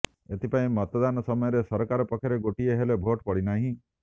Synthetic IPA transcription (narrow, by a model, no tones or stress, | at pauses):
et̪ʰipaĩmɔt̪ɔd̪anɔsɔmɔjɔɾesɔɾɔkaɾɔpɔkʰjɔɾeɡoʈieɦelebʱoʈpɔɽinaɦĩ